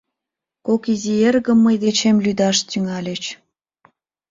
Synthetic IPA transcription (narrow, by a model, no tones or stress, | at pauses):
kokizierɣəmːəjd̪et͡ɕemlyd̪ɑʃt̪yŋɑlʲet͡ɕ